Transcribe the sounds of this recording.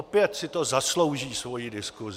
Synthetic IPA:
pɪjɛt̪sɪt̪ozaslo̞wʒiːsvo̞jidɪskuz

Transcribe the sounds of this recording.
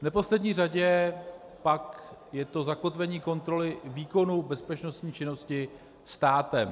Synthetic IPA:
vnɛpo̞slɛdɲiːr̝aɟɛ | pakjɛt̪o̞zako̞t̪vɛɲiːko̞nt̪ɾo̞lɪviːko̞nubɛspɛt͡ʃno̞st̪ɲiːt͡ʃɪno̞scɪ | st̪aːt̪ɛm

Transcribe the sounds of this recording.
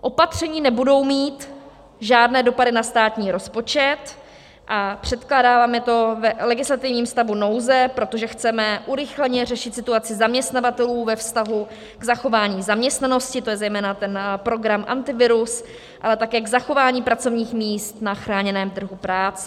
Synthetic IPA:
ʔo̞pat̪r̝̥ɛɲiːnɛbudo̞wmiːt̪ | ʒaːdnɛːdo̞padɪnast̪aːt̪ɲiːɾo̞spo̞t͡ʃɛt̪ | ʔapr̝̥ɛt̪klaːdaːvaːmɛt̪o̞vɛlɛɡɪslat̪ɪvɲiːmst̪avuno̞wzɛpɾo̞t̪o̞ʒɛxt͡sɛmɛʔuɾɪxlɛɲɛrɛʃɪt̪sɪt̪uat͡sɪzamɲɛst̪navat̪ɛluːvɛfst̪aɦu | ɡ̥zaxo̞vaːɲiːzamɲɛst̪nano̞scɪt̪o̞jɛzɛjmɛːnat̪ɛnpɾo̞ɡɾamʔa̰nt̪ɪvɪɾus | ʔalɛt̪akɛːɡzaxo̞vaːɲiːpɾat͡so̞vɲiːxmiːst̪naxɾaːɲɛnɛːmt̪r̩ɦupɾaːt͡sɛ

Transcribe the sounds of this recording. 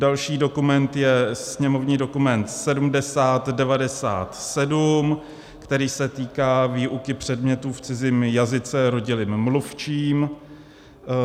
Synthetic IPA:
dalʃiːdo̞kumɛnt̪jɛsɲɛmo̞vɲiːdo̞kumɛnt̪sɛdumdɛsaːt̪dɛvadɛsa̰ːt̪sɛdum | kt̪ɛɾiːsɛt̪iːkaːviːʔukɪpr̝̥ɛdmɲɛt̪uːft͡sɪziːmjazɪt͡sɛɾo̞ɟɪlɪmːluft͡ʃiːm

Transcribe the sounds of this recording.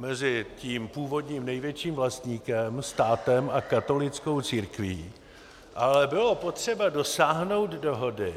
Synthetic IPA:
mɛzɪciːmpuːvo̞dɲiːmnɛjvjɛt͡ʃiːmvlast̪ɲiːkɛmst̪aːt̪ɛmʔakat̪o̞lɪt͡sko̞wt͡siːɾkviː | ʔalɛbɪlo̞po̞t̪r̝̥ɛbado̞saːɦno̞wd̪do̞ɦo̞dɪ

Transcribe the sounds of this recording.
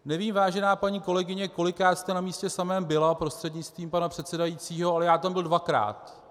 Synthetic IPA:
nɛviːmvaːʒɛnaːpaɲiːko̞lɛɡɪɲɛko̞lɪkɾaːt̪st̪ɛnamiːscɛsamɛːmbɪlapɾo̞st̪r̥ɛdɲɪt͡st̪viːmpanapr̥ɛt̪sɛdajit͡siːɦo̞alɛjaːt̪ambɪldvakɾa̰ːt̪

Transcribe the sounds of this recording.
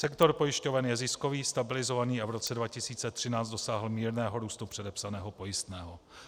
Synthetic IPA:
sɛkt̪o̞ɾpojɪʃco̞vɛnjɛzɪskoviːst̪abɪlɪzo̞vaniːavɾo̞t͡sɛdvacɪsiːt͡sɛt̪r̝̥ɪnaːt͡sdo̞saːɦl̩miːɾnɛːɦo̞ɾuːst̪upr̥ɛdɛpsanɛːɦo̞po̞jɪst̪nɛːɦo

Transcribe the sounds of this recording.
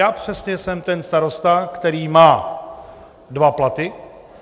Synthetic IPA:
jaːpr̝̥ɛsɲɛsɛmt̪ɛnst̪aɾo̞st̪akt̪ɛɾiːmaː | dvaplat̪ɪ

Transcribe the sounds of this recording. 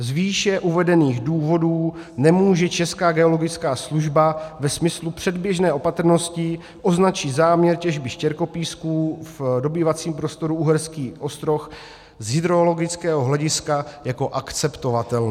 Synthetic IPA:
zviːʃɛʔuvɛdɛniːɣduːvo̞duːnɛmuːʒɛt͡ʃɛskaːɡɛo̞lo̞ɡɪt͡skaːsluʒbavɛsmɪslupr̝̥ɛdbjɛʒnɛːʔo̞pat̪ɾno̞scɪ | ʔo̞znat͡ʃiːzaːmɲɛɾcɛʒbɪʃcɛɾko̞piːskuːvdo̞biːvat͡siːmpɾo̞st̪o̞ɾuuɦɛɾskiːʔo̞st̪ɾo̞x | zɦɪd̪ɾolo̞ɡɪt͡skɛːɦoɦlɛɟɪskajako̞ʔakt͡sɛpt̪o̞vat̪ɛln

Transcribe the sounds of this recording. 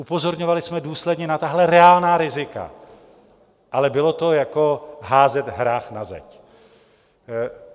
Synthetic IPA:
ʔupo̞zo̞ɾɲo̞valɪsmɛduːslɛdɲɛnat̪aɦlɛɾɛaːlnaːɾɪzɪka̰ | ʔalɛbɪlo̞t̪o̞jako̞ɦaːzɛt̪ɦɾaːxnazɛ̰c

